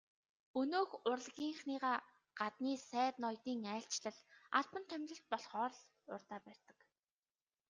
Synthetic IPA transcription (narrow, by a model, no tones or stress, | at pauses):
ɵnoːxʊrɮɣʲiːŋχniːʁaː | ɢ̥at̪niːsæːt̪nɔjt̪iːŋæːɬt͡ɕɮə̆ɮaɮpə̆nt̪ʰœmʲt̪ɞ̆ɬt̪̚pɔɮχɔːɾɮ | ʊrt̪aːpærʲt̪ə̆k